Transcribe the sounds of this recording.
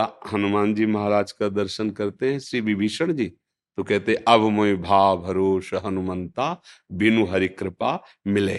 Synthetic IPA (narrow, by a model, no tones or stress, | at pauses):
ahɐnumaːnd͡ʒiːmɐɦaɾaːd͡ʒkad̪ɐɾʃənkɐɾt̪eɦɛ̃ʃɾiːʋibʱiːʃəɽ̃d͡ʒiː | t̪okɛɦt̪eɦɛ̃ʔɐbmoibʱaːbʱɐɾoːʃɐɦɐnumɐ̃nt̪aːbɪnuɦɐɾɪkɾɪpa | mɪleː